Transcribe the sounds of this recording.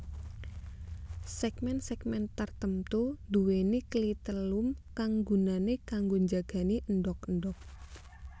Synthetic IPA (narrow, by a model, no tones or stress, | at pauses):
sɛkmɛnsɛkmɛnt̪ərt̪əmt̪ud̪uweneklit̪əlumkaŋɡunanekaŋɡoɲd͡ʒaɡ̥a̤niʔənɖɔk̚ənɖɔk̚